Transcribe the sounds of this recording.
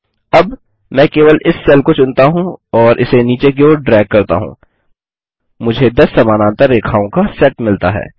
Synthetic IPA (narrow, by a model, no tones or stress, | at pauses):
ɐb | mɛ̃ːkeːʋəlɪsːɛːlkot͡ʃʊnt̪aɦũɔːɾʔɪseniːt͡ʃek̬eoɖɾɛːɡ̚kɐɾt̪a̰ɦṵ̃ː | mʊd͡ʒʱed̪ɐsːɐmaːnãːt̪ɐɾːeːkʰaːõkasɛʈmɪlt̪aɦɛ̰ː